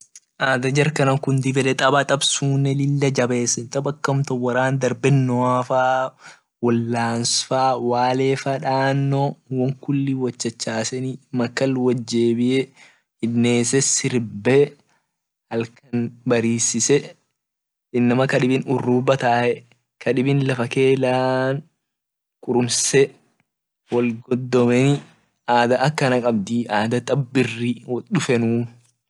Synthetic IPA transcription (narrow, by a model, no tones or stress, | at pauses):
ʔaːd̪ɐd͡ʒɐɾkɐnɐŋkʊnd̪ɪbɛlɛt̪ʼɐbɐt̪ʼɐbsuːnːɛlɪlːɐd͡ʒɐbe̞ːsɐnt̪ʼɐbɐkːɐmt̪ɔwɐɾaːnd̪ɐɾbɛnːɔaːfaː | wɔlːaːnsfaːwaːleːfɐᶑaːnːɔwɐŋkʊlːiwɐt͡ʃːɐt͡ʃːaːsɛnimɐkːɐlwɐd͡ʒːeːbɪʔe | hɪdneːsɛsɪɾbe | hɐlkɐnbɐɾiːsɪsɛ | ɪnːɐmɐkɐᶑɪbɪnʊrːuːbɐt̪aːʔɛ | kɐᶑɪbɪnlɐfɐke̞ːlaːn | kʼʊɾʊmsɛ | wɔlɡɔd̪ːɔmɛnɪ | aːd̪ɐʔɐkːɐnɐkʼɐb̚d̪ɪʔaːd̪ɐt̪ʼɐbːɪrːɪwɔɗʊfɛnuː